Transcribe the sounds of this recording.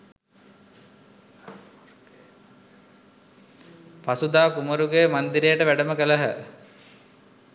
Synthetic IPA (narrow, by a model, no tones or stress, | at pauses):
pasud̪aːkuməɾuɡejmand̪iɾejəʈəʋæɖəməkələɦə